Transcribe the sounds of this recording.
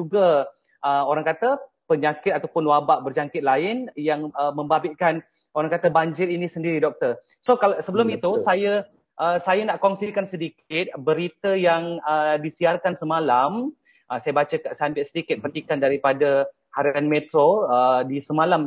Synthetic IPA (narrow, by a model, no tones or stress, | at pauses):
d͡ʒuɡa | ʔəoɾaŋkat̪ə | pəɲakɪt̪at̪awpʊnwabaʔbərd͡ʒaŋkɪt̪̚laɪnjaŋəmə̃mbabɪʔkan | oɾaŋkat̪əbaɲd͡ʒɪɾinĩsəndiɾidɔk̚t̪ər | sokalsəbəlʊmit̪usajə | ʔəsajanaʔkɔŋsikansədikɪt̪̚bəɾit̪əjaŋədisiarkansəmalam | ʔəsajəbat͡ʃəkaʔsaambɪʔsədikɪt̪̚pənt̪ikandaɾipadə | haɾianmet̪ɾoədisəmalam